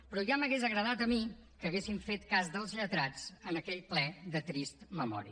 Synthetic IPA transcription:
pɾɔʒaməɣezəɣɾəðat̪əmikəɣesiɱfet̪kazðəlˠzʎət̪ɾad͡zənəkɛʎplɛðət̪ɾist̪məmɔ̰ɾḭ

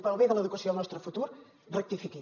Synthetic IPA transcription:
paɾalβejðəleðukɐsjõɐlˠnɔst̪ɾofut̪uɾ | rek̚t̪ifiki

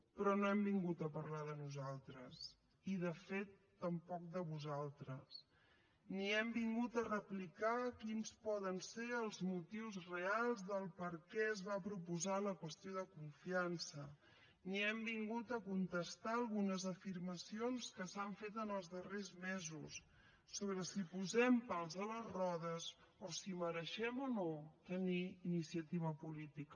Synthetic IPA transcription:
pɾɔnoɛmbiŋɡut̪əpəɾlaðənuzalˠt̪ɾəs | iðəfet̪ːəmpɔk̚d̪əβuzalˠt̪ɾəs | niɛmbiŋɡut̪ərəplikakinspɔðənseəlˠzmut̪iwzrealˠzðəlˠpəɾkɛəzβapɾupuzaləkwəst̪ioðəkuɱfiansə | niɛmbiŋɡut̪əkunt̪əst̪aəlˠɣunəzəfiɾməsionskəsaɱfet̪ənəlˠzðərezmɛzusː | oβɾəsipuzɛmpalˠzðələzrɔðəs | osiməɾəʃɛmonot̪əniːnisijət̪iβəpulit̪ik

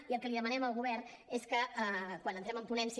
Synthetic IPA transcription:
iəlˠkəliðəmənɛməlˠɣuβɛrn | eskəəkwanənt̪ɾɛməmpunɛns

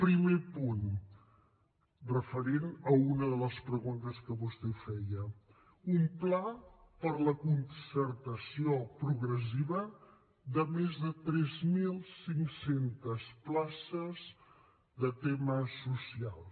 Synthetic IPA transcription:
pɾimepun | rəfəɾenəunəðələspɾəɣunt̪əskəβust̪ɛfɛjə | umplapəɾləkunsəɾt̪əsiopɾuɣɾəs̬iβə | ðəmezðət̪ɾɛzmilˠsiŋsent̪əsplasəz | ðət̪eməsusialˠ

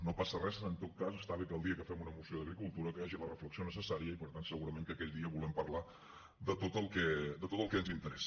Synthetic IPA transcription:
nopasərɛsənt̪ot̪̚kasəst̪aβikəlˠd̪iəkəfɛmunəmusioðəɣɾikulˠt̪uɾəkəjaʒilərəfləksionəsəsaɾiəipəɾt̪ansəɣuɾəmẽŋkəkɛt̪d̪iəβulɛmpəɾla | d̪ət̪ot̪əlˠkɛd̪ət̪ot̪əlˠkɛənzint̪əɾɛsə

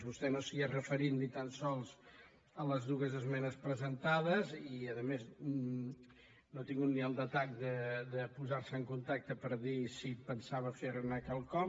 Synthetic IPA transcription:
βust̪ɛnosəiərəfəɾit̪nit̪ansɔlˠz | ələzðuɣəzəzmɛnəspɾəzənt̪aðəziəðəmez | not̪iŋɡut̪̚niəlˠd̪ət̪ak̚d̪əd̪əpuzaɾsəəŋkunt̪ak̚t̪əpəɾðisipənsaβəfeɾnəkalˠkɔ

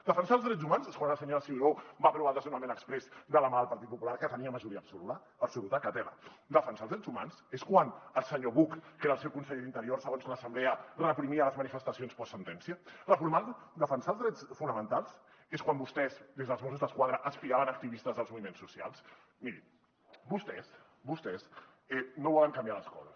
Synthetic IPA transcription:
d̪̥əfənsalzðɾɛd͡zzumanzeskwanəlˠsəɲoəsiobapɾuβalˠd̪azunamẽnəkspɾɛzd̪əlamaəlˠpɐɾt̪it̪̚pupulaɾkət̪əniəməʒuɾiəbsulut̪ə | əbsulut̪əkat̪ɛlə̰d̪əfənsalˠzðɾɛd͡zzuma̰nseskwanəlˠsəɲoβukkeɾəlsɛwkunsəʎeðint̪əɾiorsəɣ̞onzləsəmblɛərəpɾimiələzmənifəst̪əsionspɔsːənt̪ɛnsiələfuɾmald̪ud̪əfənsalˠzðɾɛt͡sfunəmə̃nt̪alˠs | eskwambust̪ɛzd̪ezðəlˠzmos̬uzðəskwað̞ɾəʔəspiaβənək̚t̪iβist̪əzðəlˠzmuβimensːusia̰lˠs | miɾi | bust̪ɛs | bust̪ɛs | ɛnoβɔləŋkambijaləskɔ̰zəs

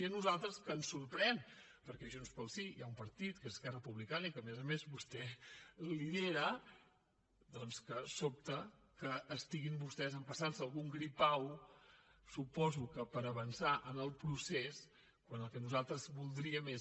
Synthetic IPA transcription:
iənuzalˠt̪ɾəskəːnsːuɾpɾɛn | pəɾkɛʒunspəlˠsijaumpəɾt̪it̪kezəskɛrəpuβlikanikəmɛzəmezbust̪ɛliðeɾə | d̪ɔnskəsop̚t̪əkəːst̪iɣimbust̪ɛzəmpəsansəlˠɣuŋɡɾipaw | supɔzukəpəɾəβənsaʔənəlˠpɾuses | kwanəlˠkɛnuzalˠt̪ɾəzβulˠd̪ɾiəme

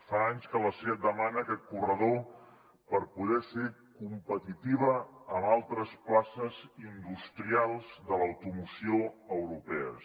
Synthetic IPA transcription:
faaɲskələseat̪̚d̪əmanəːkɛt̪̚kurəðo | pəɾpuðɛsekumpət̪it̪iβ̞əːmalˠt̪ɾəsplasəzind̪ust̪ɾialˠzðələwt̪umusioəwɾupɛə̰

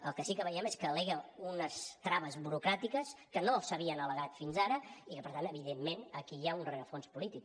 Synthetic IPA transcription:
ə̰lˠkəsikəβəjɛmeskəːleɣəunəst̪ɾaβəzβuɾukɾat̪ikəskənosəβiənələɣat̪finzaɾəikəpəɾt̪anəβiðemːenəkiaunreəfonspulit̪ik̚

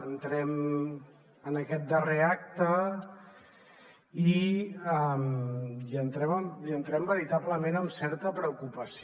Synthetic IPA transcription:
ənt̪ɾɛm | ənəkɛt̪̚d̪əreak̚t̪ə | iəmiənt̪ɾɛməmiənt̪ɾɛmbəɾit̪abləmenəmsɛɾt̪əpɾəukupəs

